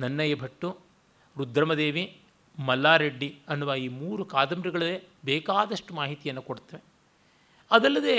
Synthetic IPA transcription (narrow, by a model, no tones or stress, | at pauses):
nɐnːɐjɐbʱɐʈːu | ɾud̪ʱɾɐmɐd̪eːʋi | mɐlːaːɾeɖːiɐnːuʋaiːmuːɾukaːd̪ɐmɾiɡɐɭɐlebɛːkaːd̪ɐʂʈumaːɦit̪ijɐnːukoɽt̪ːɐʋe | ɐd̪ɐlːɐd̪eː